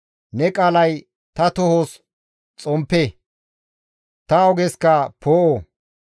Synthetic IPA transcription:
nɛkʼaːlɐj | t̪ɐt̪ɔhoːs | t͡sʼɔmpːeː | t̪ɐɔɡɛskɐpʰoːʔo

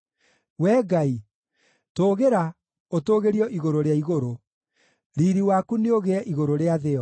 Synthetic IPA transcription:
wɛːɡai | toːɣeɾa | otoːɣeɾiɔʔiɣoɾoɾeaiɣoɾo | ɾiːɾiwakuneoɣeɛʔiɣoɾoɾeaðeɔ

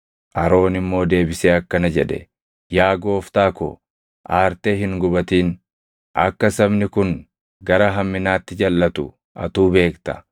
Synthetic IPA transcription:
ʔɐɾo̞ːnɪmːo̞ːd̪e̞ːbɪseːɐkːɐnɐd͡ʒɛᶑɛ̰ | jaːɡo̞ːft̪aːkɔ̰ | ʔaːɾt̪eːɦɪŋɡʊbɐt̪iːn | ʔɐ̰kːɐsɐbnɪkʊŋ | ɡɐɾɐɦɐmːɪnaːt̪ːɪd͡ʒɐlːɐt̪ʊ̰ | ʔɐ̰t̪uːbe̞ːkt̪ɐ̥

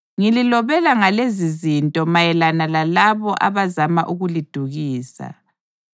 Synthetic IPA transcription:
ŋililɔβɛlaŋalezizintʼɔmajɛlanalalaβɔʔa̰βazamaʔuɣulid̥ʱuɣiːsa̰

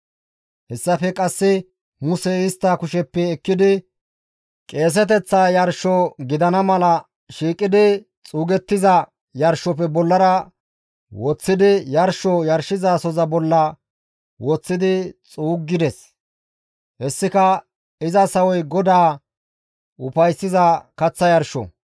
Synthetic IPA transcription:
hɛsːɐfɛkʼɐsːɪ | mʊsɛɪst̪ːakʊʃɛpːɛːkːɪd̪ɪ | kʼe̞ːs̬ɛt̪ɛt͡sːaːjɐɾʃɔɡɪd̪ɐnɐmɐlɐ | ʃiːkʼːɪd̪ɪ | t͡sʼuːɡɛt̪ːɪzɐ | jɐɾʃɔpɛbɔlːɐɾɐ | wɔt͡sːɪd̪ɪjɐɾʃɔjɐɾʃɪzaːsɔzɐbɔlːɐ | wɔt͡sːɪd̪ɪt͡sʼuːɡːɪd̪ɛs | hɛsːɪkɐ | ɪzɐsɐwɔjɡɔd̪aː | ʊpɐjsːɪzɐkɐt͡sːɐjɐɾʃɔ̰

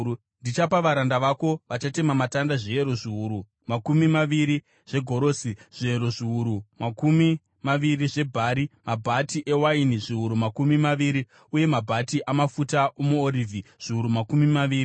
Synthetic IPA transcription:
ndit͡ʃapaʋaɾandaʋako̞ʋat͡ʃate̞mamatandaʐieɾo̞ʐiuɾu | makumimaʋiɾi | ʐ̥e̞ɡʱo̞ɾo̞ːsiʐ̥ieɾo̞ʐiuɾumakumi | maʋiriʐe̞bʱaɾimabʱatiʔe̞wainiʐiuɾumakumimaʋiːɾi | uje̞mabʱatiʔamafutaomuoriːvʱiʐ̥iuɾumakumimaʋiːɾi

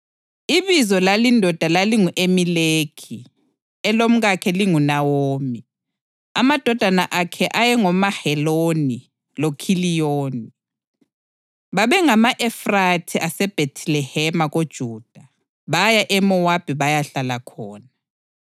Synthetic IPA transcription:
iβizɔlalindʱɔd̥ʱalaliŋuʔemilekʰi | ɛlom̩ɣakʰɛliŋunawoːmi | amad̥ʱɔd̥ʱanaʔakʰɛʔajɛŋɔmahɛloni | lokʰilijoːni | βaβɛŋamaʔɛfratʰiʔasɛb̥ʱetʰlɛhɛmaɣod̥ʒ̥ʱuːd̥ʱa | βajaʔɛmɔwab̥ʱiβajaɬalakʰɔːna

